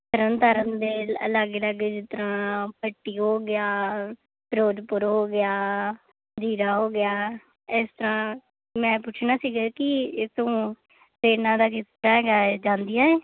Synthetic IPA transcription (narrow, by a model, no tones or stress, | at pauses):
t̪əɾənt̪əɾənd̪eːlə̰ləɡləɡd͡ʒɪt̪əɾãːpəʈːiːɦoːɡɪjaː | pɾoːd̪pʊɾɦoːɡɪjaː | d͡ʒiːɾaːɦoːɡɪjaː | ɪst̪əɾãː | mɛ̃ːpʊt͡ʃʰnaːsiːɡaːkɪɪt̪õː | t̪eːnãːd̪aːkɪst̪əɾaːɡaːd͡ʒãːnd̪ijaːeː